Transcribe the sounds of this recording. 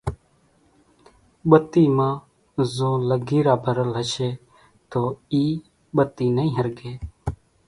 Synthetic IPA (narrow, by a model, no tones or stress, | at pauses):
ɓət̪iːmãː | zõːləɡiːɾaːbʱəɾəlɦəʃeː | t̪oːiː | ɓət̪iːnəĩːɦəɾɡeː